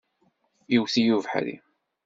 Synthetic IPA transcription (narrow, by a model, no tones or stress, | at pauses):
jiwθijuvħɾḭ